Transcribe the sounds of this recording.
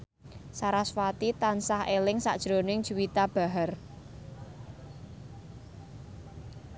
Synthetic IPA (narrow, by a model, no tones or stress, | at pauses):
saɾaswat̪it̪ansahelɪŋsa̰ʔd̥ʒ̥ɾo̤nɪŋd̥ʒ̥uwit̪ab̥a̤ɦər